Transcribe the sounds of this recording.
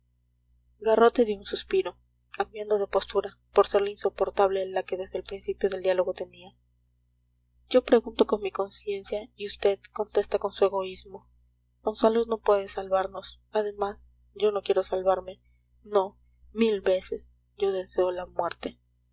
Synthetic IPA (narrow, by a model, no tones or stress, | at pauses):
ɡaro̞t̪e̞ðjounsuspiɾo̞ | kambjand̪o̞ð̞e̞po̞st̪uɾa | po̞ɾse̞ɾlainso̞po̞ɾt̪aβle̞lake̞ðe̞zðelpɾinsipjo̞ð̞e̞ld̪jalo̞ɣo̞t̪e̞nia | ɟ͡ʝo̞pɾe̞ɣunt̪o̞ko̞nmiko̞nsje̞nsjaiust̪e̞ðko̞nt̪e̞st̪ako̞nsue̞ɣo̞izmo̞ | monsalozno̞pwe̞ðesalβaɾno̞s | aðe̞mas | ɟ͡ʝo̞no̞kje̞ɾo̞salβaɾme̞ | no̞ | milβe̞se̞s | ɟ͡ʝo̞ðe̞se̞olamweɾt̪e̞